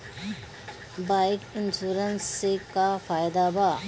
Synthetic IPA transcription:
baɪʈɪnsuɾənsːekapʰajd̪abʱa

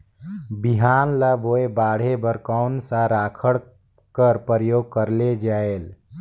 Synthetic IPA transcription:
biɦaːnləboebaːɽ̤ebəɾkaʊnsaɾaːkʰəɽ | kəɾpəɾəjoːɡ̚kəɾled͡ʒaːel

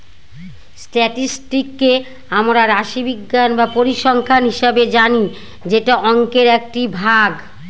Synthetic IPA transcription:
sʈɛʈisʈikːe | amɾaɾaʃibiɡːanbapoɾiʃɔŋkʰanɦiʃabed͡ʑani | d͡ʑeʈaʔɔŋkeɾɛk̚ʈibʱaɡ

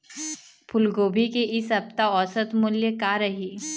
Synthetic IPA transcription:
pʰʊlɡoːbʱikeʔɪsɐp̚t̪aɔːsət̪mʊljəkaɾɐɦiː

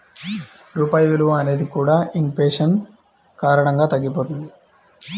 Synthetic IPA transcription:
ɾuːpaːjiʋiluʋɐɐne̞ːd̪ikuːɽaːiŋpeːʂɐn | kaːɾɐɳɐŋɡaːt̪ɐɡːipoːt̪und̪i

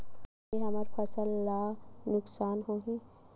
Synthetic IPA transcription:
eɦəməɾpʰɐsəlːanʊksaːnɦoɦũ

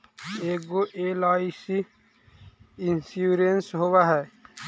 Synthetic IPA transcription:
eːk̚ɡoʔeːlaːisi | ɪnsuːɾensɦowaɦɛː

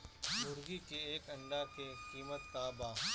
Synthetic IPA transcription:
bʊɾɡikeeːkɐ̃ɳɖakekiːmət̪ːaːbaː

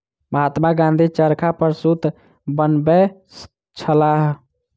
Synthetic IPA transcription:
məɦat̪maɡãnd̪ʱit͡ʃəɾkʰapəɾsut̪ | bənbes | t͡ʃʰəlaɦ

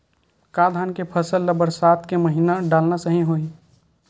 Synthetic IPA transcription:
kaːd̪ʱaːnkepʰəsəlːəbəɾsaːt̪ʰkeməɦinaɖaːlnasəɦĩɦoːi

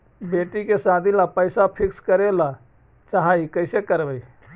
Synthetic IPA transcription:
beʈikesad̪ʱilapəjsapʰikskəɾela | t͡ʃaɦaikəɪsekəɾbəj

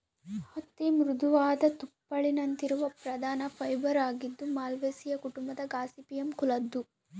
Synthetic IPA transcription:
hɐt̪ːimɾud̪uʋaːd̪ɐt̪upːɐɭinɐnt̪iɾuʋɐpɾɐd̪ʱaːnɐpʰɐjbɐɾaːɡid̪ːumaːlʋeːsijɐkuʈumbɐd̪ɐɡaːsipijɐmkulɐd̪ːu

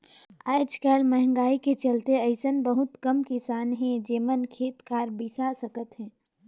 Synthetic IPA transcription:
aːd͡ʒkəlmɛɦŋ̆ɡaːiket͡ʃɐlt̪eɐɪsənbəɦʊt̪kɐmkɪsaːnɦɛ̃d͡ʒeːmənkʰeːt̪kaːɾbisasəkət̪ɦɛ̃ː

